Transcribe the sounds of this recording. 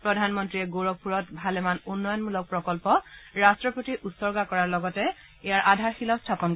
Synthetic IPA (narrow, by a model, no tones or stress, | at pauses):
pɹɔdʱanmɔntɹiɛɡoɹɔɡ̚pʰuɹɔtbʱalɛmanunːɔjɔnmulɔk̚pɹɔkɔlpɔɹastɹɔpotiʔutsɔɹɡakɔɹaɹlɔɡɔtɛ | ejaɹʔadʱaɹxilaʊstʰapɔn